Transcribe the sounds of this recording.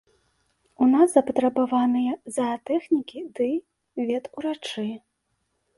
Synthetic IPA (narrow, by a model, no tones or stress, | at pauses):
unaszɐpɐt̪ɾɐbavanɨjɐzɐt̪ɛxnʲikʲid̪ɨ | vʲɛt̪uɾat͡ʂɨ